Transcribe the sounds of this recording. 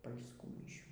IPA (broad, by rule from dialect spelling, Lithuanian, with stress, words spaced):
pɐlʲsˈkuː mʲɪˈʃʲuː